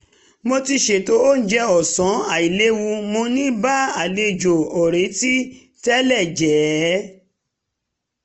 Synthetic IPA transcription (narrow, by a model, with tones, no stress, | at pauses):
mo˧ti˧ʃe˨to˦o˦n̩˦d͡ʒɛ˦˧ɔ˨sɔ̃˨˦a˨i˨le˦wũ˧mo˧nĩ˦ba˦a˨le˧˨d͡ʒo˨ɔ˨ɾẽ˨˦ti˦ | tɛ˦lɛ˦˨d͡ʒɛ˨˦